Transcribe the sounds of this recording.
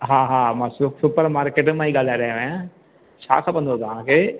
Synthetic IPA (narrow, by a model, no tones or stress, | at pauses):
ɦaːɦaːmãːsʊsʊpəɾmaːɾkeːʈmãiːɠaːl̤aɾɛɦeã | t͡ʃʰa̰ːkʰãːpɐ̃nd̪ot̪ɐʋ̤ãkʰeː